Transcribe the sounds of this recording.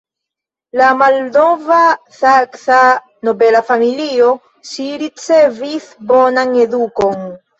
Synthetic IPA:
lamaldo̞va | saksa | no̞belafamilio̞ | ʃiɾit͡sevisbo̞naŋeduko̞ŋ

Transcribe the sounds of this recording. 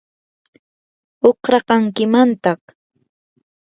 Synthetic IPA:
oqɾɑqɑŋkɪmant̪ɑχ

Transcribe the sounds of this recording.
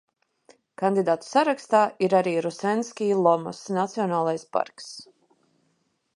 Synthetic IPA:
kand̪id̪aːt̪u̥saɾakst̪aːʔiɾaɾiːɾusɛnskʲiːlˠɔmɔ̰snat̪siɔnaːlˠajspa̰ɾks

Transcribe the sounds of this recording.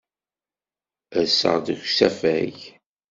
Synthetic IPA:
æsə̰ʁðəçsæfæʝ

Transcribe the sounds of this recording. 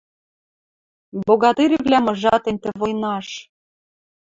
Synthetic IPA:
boɣɑt̪eɾʲivlʲæmɤ̆ʒɑt̪ĕnʲt̪ĕvojnɑʃ

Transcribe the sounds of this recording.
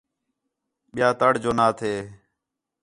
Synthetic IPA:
ɓɪjaːt̪əɽd͡ʒoːnaːt̪ʰeː

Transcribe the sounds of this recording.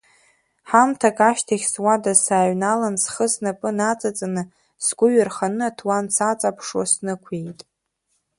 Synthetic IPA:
ħamtʰakʼaʃtʰaχʲswadasaːɥnalansχəsnapʼɨnat͡sʼat͡sʼanɨ | sɡʷʊɥarχanɨatʰwansat͡sʼapʰʂwa̰snɨkʷʰejtʼ

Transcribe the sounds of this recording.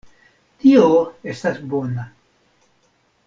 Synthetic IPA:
t̪ioest̪asbona

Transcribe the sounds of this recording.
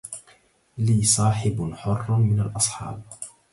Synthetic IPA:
liːsˤɑːħɪbħʊrˤːmɪnalʔɑsˤħɑ̰ːb̚

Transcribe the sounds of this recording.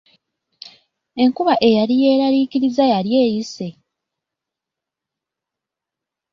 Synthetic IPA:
e̞ŋkuβaʔe̞jalije̞ːɾaliːkiɾizajalje̞ːjise̞

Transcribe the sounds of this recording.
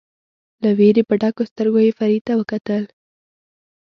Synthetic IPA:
laweɾepəɖakost̪əɾɡojefaɾit̪awəkat̪əl

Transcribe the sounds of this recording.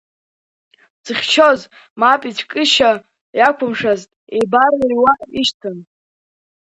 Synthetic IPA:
t͡sɨχʲt͡ʃʰoz | mapʼit͡ʃʷʰkʼɨʃa | jakʷʰʊmʂaztʼejbarajwaʔiʃtʰɨn

